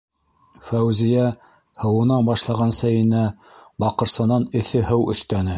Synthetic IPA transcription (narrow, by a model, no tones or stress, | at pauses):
fæwzijæ | hɤ̆wɤ̆nɑnbɑʃlˠɑʁɑnsæjɘ̆næ | bɑqɤ̆ɾsɤ̆nɑnɘ̆θɘɦɤwɵ̆θt̪ænɘ